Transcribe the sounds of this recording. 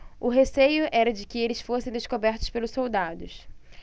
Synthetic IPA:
ʊɦesejʊʔɛɾɐd͡ʒɪkɪelɪsfosẽj̃d̪eskobɛɾt̪ʊspelʊsowd̪ad̪ʊs

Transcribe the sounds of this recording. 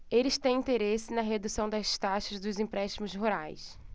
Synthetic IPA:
elɪst̪ẽj̃ĩnt̪eɾesɪnɐɦed̪usɐ̃w̃d̪ɐzʃt̪aʃɐzd̪ʊzĩpɾɛʃt̪imʊzɦuɾajs

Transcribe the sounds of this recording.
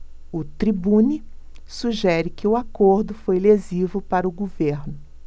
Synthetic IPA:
ʊt̪ɾibũni | suʒɛɾɪkɪʊakoɾd̪ʊfojlezivʊpaɾɐʊɡoveɾnʊ

